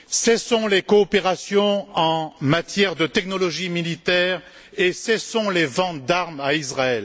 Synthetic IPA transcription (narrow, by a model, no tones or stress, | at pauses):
sɛsɔ̃lekɔːpeʁasjɔ̃ɑ̃mat̪jɛʁd̪ət̪ɛknɔlɔʒimilit̪ɛʁ | esɛsɔ̃levɑ̃t̪d̪aʁmaizʁaɛl